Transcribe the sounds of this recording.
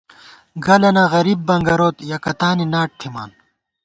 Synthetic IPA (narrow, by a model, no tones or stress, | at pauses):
ɡɐlɐnaːɣɐɾiːbːɐŋɡɐɾoːt̪jɐkɐt̪aːninaːʈ̚t̪ʰima̰ːn